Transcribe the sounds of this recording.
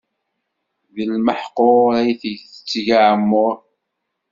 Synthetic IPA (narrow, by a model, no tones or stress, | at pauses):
vəlməħqoɾæjθəθət͡sːʝaʕəmːʊɾˤ